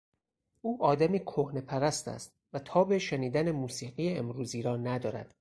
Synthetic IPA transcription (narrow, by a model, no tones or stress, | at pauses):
ʔuːʔɒːd̪æmiːkʰohne̞pʰæɾæst̪æ̰st̪̚ | væt̪ʰɒːbe̞ʃeniːd̪ænemuːsiːɢiːjeemɾuːziːɾɒːnæd̪ɒːɾæ̰d̪̥